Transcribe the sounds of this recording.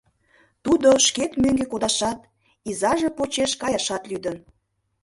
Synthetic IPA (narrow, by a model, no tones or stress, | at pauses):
t̪ud̪oʃket̪møŋɡekod̪ɑʃɑt̪ | izɑʒepot͡ɕeʃkɑjɑʃɑt̪lyd̪ən